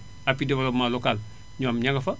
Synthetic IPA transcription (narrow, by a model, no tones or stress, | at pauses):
apidiwalomalokal | ɲoːmɲaŋɡafa